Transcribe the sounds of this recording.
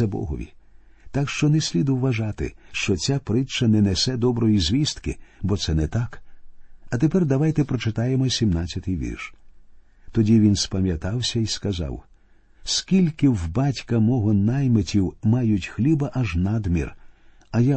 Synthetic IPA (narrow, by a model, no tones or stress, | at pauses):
ɛbɔ̰ɦɔ̰ʋʲḭ | t̪akʃt͡ʃɔnɛsʲlʲid̪ʊwʋɐʒɑt̪ɪ̰ʃt͡ʃɔt͡sʲapɾɪt͡ʃɐnɛnesɛd̪ɔbɾɔjizʲʋʲist̪kɪbɔsɛnɛt̪ɑk | ɐt̪epɛrd̪ɐʋajt̪ɛpɾɔt͡ʃɪt̪ɑjemɔsʲimnat͡sʲːɐt̪ɪjʋʲḭrʃ | t̪ɔdʲiʋʲinspɐmʲjɐt̪ɑwsʲɐiskɐzɑ̰w | skʲilʲkɪwbɑtʲkɐmɔɦɔnajmetʲiwmɑjʊtʲxlʲibɐʔɐʒnad̪mʲḭr | ɐja